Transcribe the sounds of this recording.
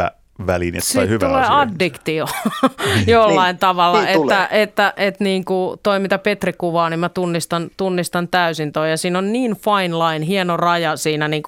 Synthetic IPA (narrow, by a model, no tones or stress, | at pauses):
æ̰ | ʋælinḛt̪ːsoihyʋtuleːɑdːikt̪io | jolːɑint̪ɑʋɑlːɑet̪ːæʔet̪ːæʔet̪niːŋkut̪oimit̪ɑpet̪rikuʋɑːnimmæt̪unːist̪ɑnt̪unːist̪ɑnt̪æysint̪ojɑsiːnonniːnfɑinlɑinɦienorɑjɑsiːnæniːŋku